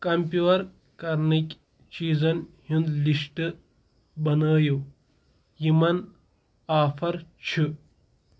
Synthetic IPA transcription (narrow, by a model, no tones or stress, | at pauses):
kɐmpʲjuːɐɾ | kɐɾnikʲ | t͡ʃiːzɐnhund̪liʂʈɨ | bɐnəːju | jimɐn | aːfʰɐɾt͡ʃʰi